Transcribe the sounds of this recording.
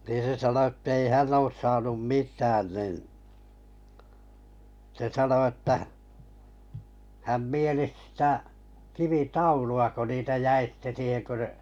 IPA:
niːn̞ se sɑno e̥tːei hænː oːs sɑːnum mitˑæːn nin se sɑno etːæ hæm mielis sĭtæ kiʋitɑuluɑ ko niːtæ jæi sĭtːe siːheŋ kø

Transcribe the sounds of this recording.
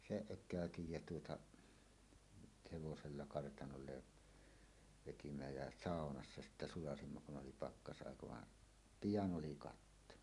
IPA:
seʔ ʔøkˑæˑøtij jæ tuotɑʔ heʋoselːɑ kɑrtɑnolːe ʋetimæ jæ sɑˑonɑsːɑ sitːæ sulɑsimːɑ kun ʔoli pɑkːɑsʔɑˑekɑ ʋɑ pijɑn oli kɑtːo

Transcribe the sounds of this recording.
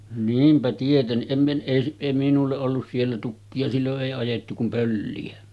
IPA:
niːmpæ tietenːiʔ ʔem mi ʔei s eˑi minulːeʔ ʔolːus sielːæ tukːiɑ silːoʔ ʔeˑi ɑjetːu kum pølːiæ

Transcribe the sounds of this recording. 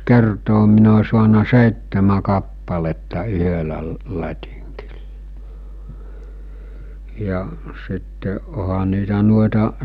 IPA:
kertoː min o suɑnɑ seˑitːemæ kɑpːɑletːɑ yhølæ lə lɑtʲiŋki̥l̥ːɑ̥ jɑ sitːe ohɑ niːtæ nuoetɑ

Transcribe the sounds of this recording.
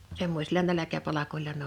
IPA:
semːosʲilɑ nælækæpɑlɑkolˑɑ n

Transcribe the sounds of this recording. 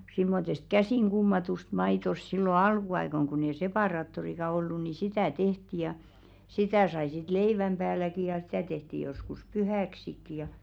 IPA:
simːotest kæsiˑŋ ɡ̊umːɑtust mɑitost silːo ɑlkuɑikoŋ kunː ei sepɑˑrɑːtːorikɑ olːu ni sitæˑ tehti jɑ sitæˑ sɑi sit leiʋæm b̥æːlæki jɑ sĭtæˑ tehti joskus pyhæˑksikːi jɑ

